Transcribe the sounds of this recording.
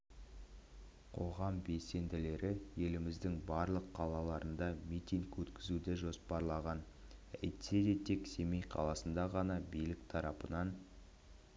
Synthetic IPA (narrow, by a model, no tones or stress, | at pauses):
qʰo̞ʁɑmbe̞se̞nd̪ɪle̞ɾɪje̞lɪmɪzd̪ɪŋbɑɾlˠəqʰːɑlˠɑlˠɑɾənd̪ɑmit̪ʲiŋkwɵt̪kʲɪzud̪ɪʒo̞spɑɾlˠɑʁɑn | æjt̪se̞d̪e̞t̪ʰe̞kse̞mejqʰɑ̰lˠɑsənd̪ɑʁɑnɑbijlɪkt̪ʰɑɾɑpənɑn